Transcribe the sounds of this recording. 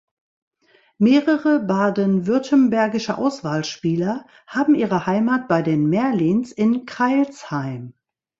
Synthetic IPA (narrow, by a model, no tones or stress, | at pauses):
meːʁəʁəbaːdənvʏɐtʰənbɛɐɡɪʃəʔa̰ʊsv̥aːlʃpiːlɐ | haːbm̩ʔiːʁ̞əhaɪmaːt̚b̥aɪdeːnmɛɐliːnsɪnkʁ̥aɪlshaɪm